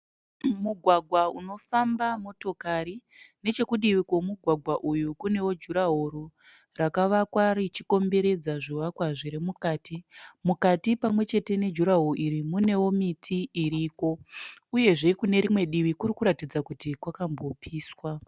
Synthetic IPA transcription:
muɡʱwaɡʱwauno̞fambamo̞to̞kaɾine̞t͡ʃe̞kuɗiʋikwo̞muɡʱwaɡʱwaʔujukune̞wo̞d͡ʒuɾaɦoɾo | rakaʋakwaɾit͡ʃiko̞mbe̞ɾe̞d͡zaʐiʋakwaʐiɾemukaːtimukatipamwe̞t͡ʃe̞te̞ne̞d͡ʒuɾaɦoroʔiɾimune̞wo̞mitʰiiɾiːko̞uje̞ʐe̞kune̞ɾimwe̞ɗiʋikurikuɾatid͡zakutikwakambo̞pʰiːswa

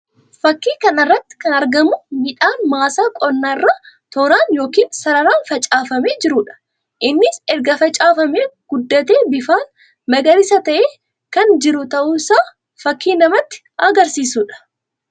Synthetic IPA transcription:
fɐkːiːkɐnɪrːɐt̪ːɪ̥kɐnɐɾɡɐmʊmɪᶑaːnmaːsaːkʼɔnːaːɪrːaːt̪oːɾaːnjo̞ːkiːnsɐɾɐɾaːnfɐt͡ʃʼaːfɐmeːd͡ʒɪɾʊːᶑɐ̥ | ʔɪnːɪsɛɾɡɐfɐt͡ʃʼaːfɐmeːɡ̥ʊd̪ːɐt̪eːbɪfaːn | mɐɡɐɾɪsɐt̪ɐʔeː | kɐnd͡ʒɪɾʊt̪ɐʔuːsaː | fɐkːiːnɐmɐt̪ːɪ̥ | ɐɡɐɾsiːsuːᶑɐ̥

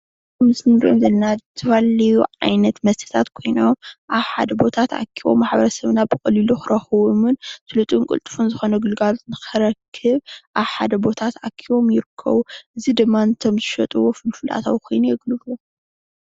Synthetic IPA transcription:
mɨsɨnd̪ʔomzɐlɐnat̪ʰɐβalɐjuʕa̰jnɐt̪mɐst̪ʰɨ̥t̪ʰat̪kʰo̞jno̞mʔaβħa̰d̪ɐbo̞t̪ʰat̪a̰kʰːiβo̞̰mːaħbɐɾɐsɐβnabɨkʼɐliluxɨɾɐxɨβomɨnt̪ʰɨlɨt̪ʼunkʼɨ̰lt̪ʼɨ̥funzɨxo̞nɐɡɨlɡalzɨkʰɐɾɐkʰːɨβʔaβħad̪ɐbo̞t̪ʰat̪akʰːiβo̞mjɪɾɨkʰːɐ̰βuʔɨzid̪ɨmːaɨnt̪ʰo̞mzɨʃɐt̪ʼuwofɨlfɨlʔa̰t̪ʰa̰wkʰo̞jnujɛɡlɨβu

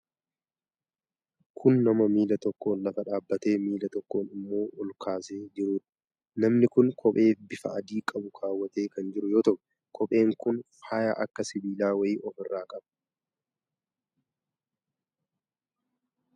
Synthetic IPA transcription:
kʰʊnːɐmɐmiːlɐt̪ɔkːo̞ːnlɐfɐᶑaːbːɐt̪e̞ːmiːlɐt̪ɔkːo̞ːnɪmːo̞ːʔɔlkʰaːseːd͡ʒɪɾuːᶑɐ̥ | nɐmnɪkʊŋkʰɔpʼe̞ːfbɪfɐ̰ɐd̪iːkʼɐbʊkʰaːwːɐt̪e̞ːkɐnd͡ʒɪɾʊjo̞ːt̪ɐʔʊ | kʰɔpʼe̞ːŋkʊnfaːja̰ʔɐkːɐsɪbiːlaːwɐɪɔfɪrːaːkʼɐbɐ

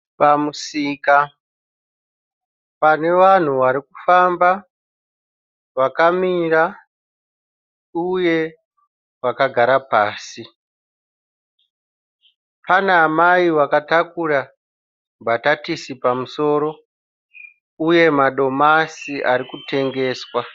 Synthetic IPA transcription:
pamusiːka | pane̞ʋan̤uʋaɾikufamba | ʋakamiɾa | uje̞ | wakaɡʱaɾapaːsi | panaːmaiwakatakura | bʱatatisipamuso̞ːɾo̞ | uje̞maɗo̞masiʔaɾikute̞ŋɡe̞ːswa

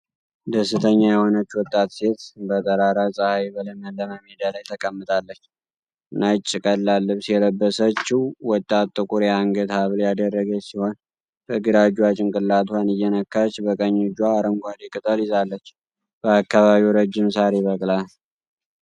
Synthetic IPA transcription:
d̪əsːɨt̪ʰəɲːajɛho̞nət͡ʃːwɔt̪ʼːat̪se̞t̪bət̪ʼəɾaɾasʼəhajbələməlːəmamed̪alajt̪ʰəkʼəmːɨt̪ʼalːət͡ʃː | ɨnat͡ʃʼːɪkʼəlːalːɨβsijɛləbːəsət͡ʃːɪwwɔt̪ʼːat̪t̪ʼːɨkʼuɾjaŋɡət̪haβljad̪ərːəɡəsiho̞n | bəɡɨɾad͡ʒwat͡ʃʼɪŋkʼɨlːat̪ʰwanɨjːɛnəkːat͡ʃːbəkʼəɲːɪd͡ʒwaːɾəŋɡʷad̪ikʼɨt̪ʼəlɪzalːət͡ʃː | b̥əakːaβaβiwɾəd͡ʒːɪmsaɾeβəkʼlal

